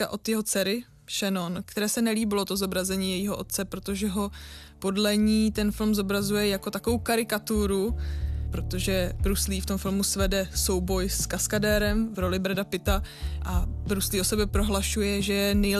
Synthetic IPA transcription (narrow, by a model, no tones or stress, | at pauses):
aʔo̞t̪jɛɦo̞t͡sɛɾɪ | ʃɛnonkt̪ɛɾɛːsɛnɛliːbɪlo̞t̪ozo̞bɾazɛɲiːjɛjiːɦoʔot̪̚t͡sɛpɾot̪o̞ʒɛɦo̞po̞dlɛɲiːt̪ɛnfɪlmzobɾazujɛjako̞t̪akovowkaɾɪkat̪uɾupɾo̞t̪o̞ʒɛbɾusliːft̪omfɪlmusvɛdɛso̞wbo̞jskaskadɛːɾɛmvɾo̞lɪbɾɛdapɪt̪a | ʔabɾusliːo̞sobɛpɾo̞ɦlaʃujɛʒɛjɛnɛj